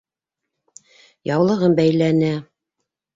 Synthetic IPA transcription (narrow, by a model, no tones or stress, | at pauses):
jɑwlˠɤ̆ʁɤmbæjlænæ